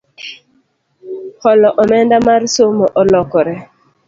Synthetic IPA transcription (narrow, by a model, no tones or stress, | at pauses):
hɔlɔʔɔmɛndamarsomɔʔɔlɔkɔɾɛ